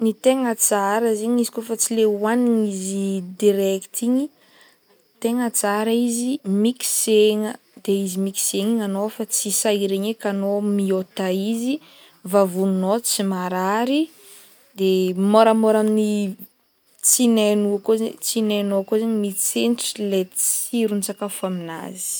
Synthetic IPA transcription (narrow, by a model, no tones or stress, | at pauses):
nit̪eŋət͡saɾəziɲizikofat͡sileuaniŋizid̪iɾɛkt̪ʰiɲi | t̪eŋət͡saɾaizimiki̥seŋə | d̪̥eizimiki̥seŋiŋanofat͡sisaiɾeɲekanomiot̪aizi | vavunnot͡simaɾaɾi | d̪emoɾamoɾamini | t͡sinanuakozet͡sinanoakozaɲəmit͡senʈ͡ʂlet͡siɾunt͡sakafamina̰zi̥